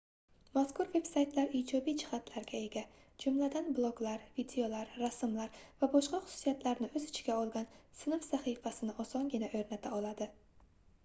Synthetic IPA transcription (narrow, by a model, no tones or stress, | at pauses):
maskʊɾve̞bsajt̪laɾid͡ʒɒbijd͡ʒʰɪ̥χat̪ʰlaɾɡʲae̞ɡʲa | d͡ʒʊmlad̪anblˠoɡlaɾvid̪eo̞laɾːasɪmlaɾvabɒʃqɑχʊ̥su̥sijat̪ʰlaɾnɪɵzɪt͡ʃʰɡʲaɒlˠɡʲansɪnɨfsaχifasɪnɪʔɒsɒŋɡʲɪnaʔɵɾnat̪ʰaɒlˠad̪ɪ